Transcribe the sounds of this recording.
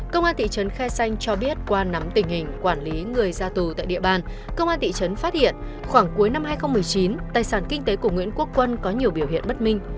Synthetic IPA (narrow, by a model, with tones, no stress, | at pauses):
kə˧wŋ͡mʔaː˧nt̪ḭ˧˨t͡ɕə˨˦nxɛ˧sa˧jŋ̟t͡ɕɔ˧ɓi˦˥ət̚kwaː˧na˨˦mt̪ï˨˩ŋ̟hï˨˩ŋ̟kwaː˧˩nli˨˦ŋɨ˨˩əjzaː˧t̪u˨˩t̪a̰ː˧˨jɗḭ˧˨əɓaː˧n | kə˧wŋ͡mʔaː˧nt̪ḭ˧˨t͡ɕə˨˦nfaː˦˥t̚hḭ˧˨ən | xwaː˧˩ŋku˨˦jna˧mhɦaː˧jxə˧wŋ͡mmɨ˨˩əjt͡ɕi˨˦nt̪aː˨˩jsaː˧˩nkï˧ŋ̟t̪e˨˦ku˧˩əŋwḭ˧˥ənku˦˥əkːwə˧nkɔ˨˦ɲi˨˩əwɓi˧˩əwhḭ˧˨ənɓə˦˥t̚mï˧ŋ̟